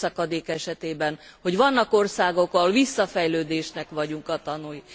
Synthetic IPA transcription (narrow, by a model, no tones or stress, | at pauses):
ɒkɒd̪eːkɛʃɛt̪eːbɛnho̞ɟʋɒnːɒko̞rsaːɡo̞kːɒlvisːɒfɛjløːd̪eːʃnɛkʋɒɟuŋkɒt̪ɒnuj